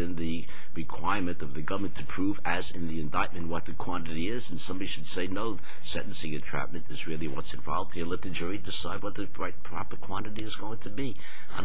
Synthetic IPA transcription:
ɨ̃nðɨ | ɹɨkʰw̥aɪɹmɨ̃ntʌvðɨɡʌvə˞mɨ̃n̩tʰɨpʰɹ̥uvɨzɨ̃nðiɨ̃ndaɪt̚mɨ̃n̩ʔwʌt̪̚ðɨkʰw̥ɑ̃nɨɾiɪzn̩sʌ̃mbɑɾiʃɨd̥seɪnoʊ | sɛ̰̃nʔn̩sɪ̃ŋɨtʰɹ̥æ̰p̚mɨ̃ntɨzɹɪlˠiwʌ̰tsɨ̃ɱvɑ̰lˠvd̚hiɹlɛt̪̚ðɨd͡ʒʊɹidɨsaɪd̚wʌt̪̚ðɨɹaɪt̚pʰɹ̥ɑ̰pə˞kʰw̥ɑ̃ñɨɾiɨzɡoʊɪ̃ŋtʰɨbi | aɪ

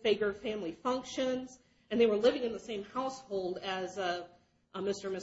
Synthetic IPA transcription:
fɪɪɡjə̥˞fæ̃mlifʌ̃ŋkʃɨ̃nz̥ | ɨ̃nðeɪwə˞lɪvɪ̃ŋɨ̃nðəsẽɪ̃mhaʊshoʊlˠdɨz | mɪstə˞mɪ

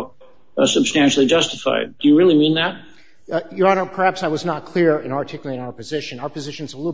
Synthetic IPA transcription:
sɨb̥stæ̃nʃl̩ˠid͡ʒʌstɨfa̰ɪd̚d̥ɨjɨɹɪlˠimĩnðæt̚ | jəɹɑ̃nəpʰə˞hæpsaɪwʌznət̚kʰl̥ɪɹɨ̃nɑ˞tʰɪkjl̩ˠiɨ̃naʊə˞pʰɨzɪʃɨ̃naʊə˞pɨzɪʃɨ̃nzəlu

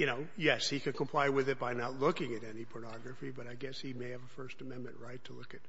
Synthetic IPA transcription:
jɨnoʊjɛshikɨ̃nkʰə̃m̩pʰl̥aɪwɪðɨt̚b̥aɪnətˡlʊkɪ̃ŋɨɾɛnipʰə˞nɑɡɹɨfibʌɾaɪɡɛshimeɪɨvəfɜ˞stɨmɛ̃nmɨ̃nʔɹaɪtʰəlʊkɨt̚

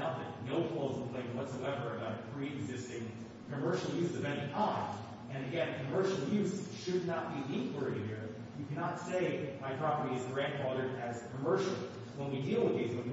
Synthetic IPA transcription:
ʊt̪̚ðɨt̚ⁿnoʊfʰɔlˠz̃npʰl̥ẽɪ̃nwʌtsoʊɛvə˞ɨbaʊɾɨpʰɹ̥iɨɡzɪstɪ̃ŋ | kʰɨmɜ˞ʃl̩ˠjʉzzʌvɛnitʰãɪ̃mz | ɨ̃nɨɡɛ̃nkʰɨmɜ˞ʃl̩ˠjʉz̥ʃɨdⁿnət̚b̥iɪ̃ŋkʰlə˞eɪɾɨd̚iɹ | jɨkʰænətseɪmaɪpʰɹ̥ɑpə˞ɾiɨzɡɹæ̃nd̥fɑðə˞ɾɨz̥kʰəmɜ˞ʃl̩ˠ | wə̃nwidilˠəɡeɪzwə̃n

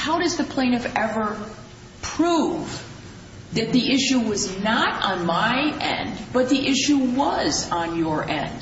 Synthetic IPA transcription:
haʊɾʌzðɨpʰl̥ẽɪ̃nʌvɛvə˞ | pʰɹ̥uv | ðɨt̪̚ðiʔɪʃʉwʌznəɾn̩maɪʔɛ̰̃nb̥ʌt̪̚ðiʔɪʃuwʌzn̩jə˞ʔɛ̰̃nd̥

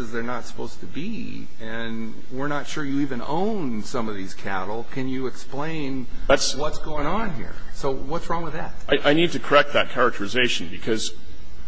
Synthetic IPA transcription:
ʌzðə˞nətsə̥poʊztʰɨbi | ɨ̃n | wɪɹnətʃʊɹjɨivɨ̃nõ̰ʊ̃nsʌ̃mʌvðiz̥kʰæ̰ɾl̩ˠkʰɨ̃njɨːksplẽɪ̃n | ðætswʌtsɡ̥oʊɪ̃ŋə̃nɦḭɹsoʊwʌtsɹɔ̃ŋwəðæ̰t̚aɪʔaɪnid̚tɨkʰə˞ɛk̚t̪̚ðɨt̚kʰɛɹɨk̚tʰə˞ɨzeɪʃn̩bɨkʰʌz̥

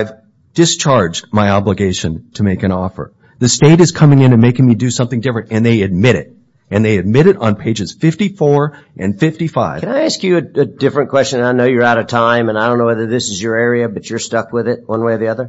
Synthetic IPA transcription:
ɪv | d̥ɨst͡ʃʰɑɹd͡ʒdmaɪɑbləɡeɪʃɨ̃ntʰɨmeɪkɨ̃ɾ̃ɔfə̰˞ | ðɨsteɪɾɨz̥kʰʌmɪ̃ŋɨ̃nɨ̃nmeɪkɪ̃ŋmidɨsʌ̃mθɪ̃ŋdɪfɹɨ̃ntɨ̃nðeɪɨd̚mɪɾɪ̰ɾ | ʔɨ̃nðeɪɨd̚mɪɾɨɾn̩pʰeɪd͡ʒɨz̥fɪftifɔɹ | ʔɨ̰̃nfɪftifaɪvkʰɨ̃naɪæskjɨɨɨdɪfɹɨ̃nkʰw̥ɛst͡ʃɨ̃naɪnoʊjə˞aʊɾʌv̥tʰãɪ̃mɨ̃naɪdõʊ̃nːoʊwɛðə˞ðɪsɨzjə˞ɛɹiɨbʌt͡ʃə˞stʌkwɪðɪt̚wʔʌ̃nweɪðiʌðə˞

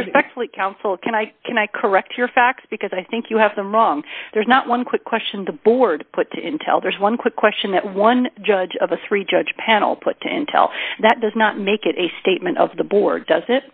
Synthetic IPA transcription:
ɹɨspɛk̚tfl̩ˠikʰãʊ̃nsl̩ˠkʰɨ̃ñaɪkʰɨ̃naɪkʰə˞ɛk̚t͡ʃʰə˞fæk̚tsb̥ɨkʌzaɪθɪ̃ŋkʰjɨːvðə̃mɹɔ̃ŋðə˞znəʔwʌ̃nkʰw̥ɪkʰw̥ɛst͡ʃɨ̃n̩ðəbɔɹd̚pʰʊtʰɨʔɪ̰̃ntʰɛ̰lˠðə˞zwʌ̃nkʰw̥ɪkʰw̥ɛst͡ʃɨ̃nðɨʔ̚wʌ̃nd͡ʒʌd͡ʒʌvɨθɹid͡ʒʌ̥ʒ̥pʰænl̩ˠpʰʊtʰɨ̰ʔɪ̰̃ntʰɛ̰lˠðɨt̚d̥ʌznət̚meɪkɨɾʔɨsteɪt̚mɨ̃ntʌ̰vðəbɔɹdʌzɪt̚

